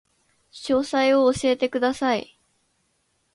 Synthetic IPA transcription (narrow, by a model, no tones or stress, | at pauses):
ɕo̞ːsaio̞ːɕie̞t̪e̞kɯd̪asai